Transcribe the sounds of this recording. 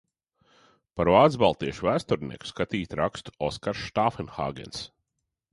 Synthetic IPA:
paɾvaːd̪zbalˠt̪iɛʃuvæːst̪uɾnḭɛku̥skat̪iːt̪ʲɾakst̪u̥ɔskaɾʃt̪aːfɛnxa̰ːɡɛ̰ns

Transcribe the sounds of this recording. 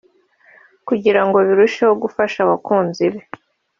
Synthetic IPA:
kuɟiɾaŋɡo̞βiɾuʃehoɡufaʃaβakuːnziβe

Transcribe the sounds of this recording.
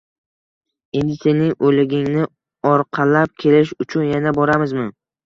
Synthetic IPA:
end̪ɪsenɪŋʔolɪɡʲɪŋnɪ | ɒɾqʰɑlap̚kʲʰe̞lɪʃʊt͡ʃʰʊnjanabɒɾamɪzmɪ

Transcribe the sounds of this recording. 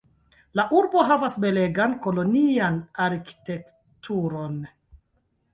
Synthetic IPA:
laʔuɾbo̞ɦavasbe̞le̞ɡanko̞lo̞nianaɾki̥te̞k | tʰuɾo̞n

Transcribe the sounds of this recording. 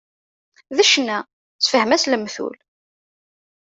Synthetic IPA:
ðəʃnæ | t͡sːfəhmæsləmθṵl

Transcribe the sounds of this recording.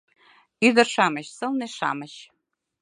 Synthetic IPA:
yd̪ə̆rʃɑmə̆ɕsɤ̆lneʃɑ̰mə̆ɕ

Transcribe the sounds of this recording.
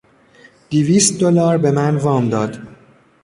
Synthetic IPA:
d̪̥iviːst̪̚d̪olɒːɾbe̞mænvɒːmd̪ɒːd̪̥

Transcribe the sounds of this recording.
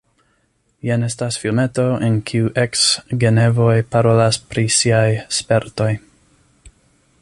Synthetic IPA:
jane̞stasfilme̞to̞ʔenkʰiuʔeksɡe̞ne̞vo̞jpaɾo̞laspɾisiajspe̞ɾto̞j

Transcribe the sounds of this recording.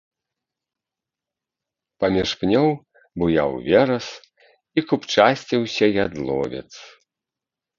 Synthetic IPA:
pɐmʲiʂpnʲɔw | bujawvʲɛɾɐs | ikupt͡ʂasʲt͡sʲiwsʲɐjad̪lˠɔ̰vʲɛ̰t̪s

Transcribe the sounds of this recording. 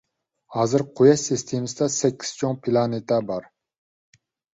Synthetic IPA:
hɑːzɨɾqʰojɛʃsist̪ʰemɨsɪd̪ɛsɛkʲʰːi̥z̥t͡ʃʰoŋpʰilˠɑnet̪ʰɛbɑɾ

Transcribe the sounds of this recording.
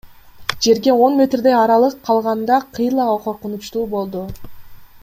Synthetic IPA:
d͡ʒe̞ɾɡe̞o̞nmʲe̞t̪rd̪e̞jɑɾɑlˠɯqʰːɑlˠʁɑnd̪ɑqʰɯjlˠɑɑqʰo̞ɾqunut͡ʃt̪uːbo̞lˠd̪u

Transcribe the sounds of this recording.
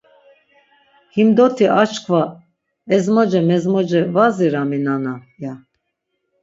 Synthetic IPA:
himd̪ɔt̪ʰiʔat͡ʃkʰva | ɛzmɔd͡ʒɛmɛzmɔd͡ʒɛvaziɾaminanaja

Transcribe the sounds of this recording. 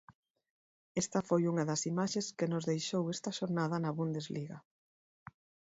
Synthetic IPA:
est̪ɐfojuŋɐðɐsimaʃeskɪnozðejʃowɛst̪ɐʃoɾnað̞ɐnɐβund̪ezliɣɐ

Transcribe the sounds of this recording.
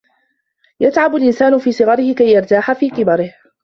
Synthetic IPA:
jat̪ʕabalʔɪnsaːnʊfiːsˤɨɣɑɾɪhɪkajːɑɾˤt̪aːħafiːkɪbɑɾɪh

